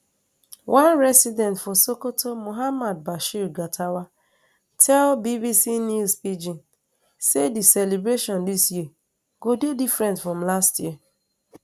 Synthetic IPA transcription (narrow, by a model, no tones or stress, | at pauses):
wʔãnɾɛsidɛ̃ntfɔsokotomoɦamad̚baʃiɾɡatʰawa | tʰɛlbibisinjusid͡ʒin | sedisɛlebɾeʃɔ̃ndisji | ɡ̥ododifɾɛ̃ntfɾɔ̃mlastjiə